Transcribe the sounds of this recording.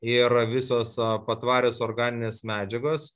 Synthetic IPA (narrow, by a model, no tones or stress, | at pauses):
ɪɾɐʋʲɪsoːspɐt̪ʋɑːɾʲoːsoːrɡɑːnʲɪnʲeːsmʲæːd͡ʒʲɛɡoːs